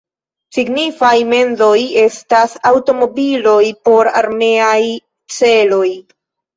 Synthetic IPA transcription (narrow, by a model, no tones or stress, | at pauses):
siɡnifajme̞nzo̞je̞stasawto̞mo̞bilo̞jpo̞ɾaɾme̞aj | t͡se̞lo̞j